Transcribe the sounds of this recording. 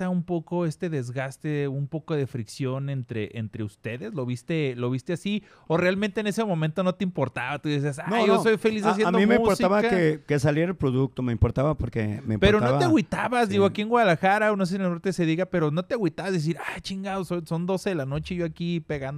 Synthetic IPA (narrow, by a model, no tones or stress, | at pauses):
aumpo̞ko̞e̞st̪e̞ðe̞zɣast̪eumpo̞ko̞ð̞e̞fɾiksjo̞nent̪ɾeʔent̪ɾe̞ust̪e̞ðe̞zlo̞βist̪e̞lo̞βist̪easi | o̞realmẽnt̪eːne̞se̞momẽnt̪o̞no̞t̪eimpo̞ɾt̪aβat̪uðes̬iasanjjosojfe̞lis̬as̬jenmdomimeimuotsiaβaaekesaljeɾelpɾoðuk̚t̪omeimpoɾt̪aβapoɾkḛmeimpeɾonoaβt̪eɣwit̪aβazðiɣoakie̞ŋɡwaðalaxaɾaonos̬esilaoɾt̪ese̞ðiɣape̞ɾo̞no̞t̪eɣwit̪aβazðes̬iɾajt͡ʃiŋɡaðososo̞nd̪o̞seðelano̞t͡ʃe̞ʝoakipe̞ɣand̪